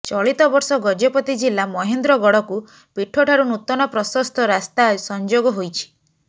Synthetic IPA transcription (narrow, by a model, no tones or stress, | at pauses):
t͡ʃɔɭit̪ɔbɔɾsɔɡɔd͡ʒɔpɔt̪id͡ʒilːamɔɦend̪ɾɔɡɔɽɔku | piʈʰːoʈʰaɾunut̪ɔnɔpɾɔsɔst̪ʰɔɾast̪asɔnd͡ʒoɡɔɦojt͡ʃʰi̥